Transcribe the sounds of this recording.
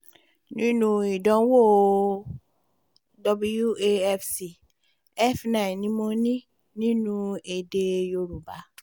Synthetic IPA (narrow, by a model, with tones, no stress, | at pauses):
nĩ˦nũ˦i˨dɔ̃˨˦wo˦˨ | dɔ˧bu˦ju˦e˧ɛ˦fsi˨ | ɛ˦˨fnã˨nĩ˨˦mõ˧nĩ˦ | nĩ˦nũ˦e˨de˧jo˧ɾu˨ba˨˦